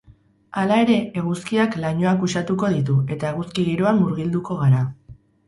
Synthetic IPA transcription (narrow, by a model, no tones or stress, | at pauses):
alae̞ɾe̞eɣ̞uskiaklaɲo̞akusat̪uko̞ð̞it̪̬ue̞t̪aeɣ̞uskiɣiɾo̞anmuɾɣild̪uko̞ɣ̞aɾa